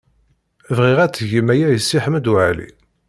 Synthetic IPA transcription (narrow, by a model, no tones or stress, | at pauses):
vʁiʁæt͡sːʝimæjæjəsːiħəmːd̪ʊʕalḭ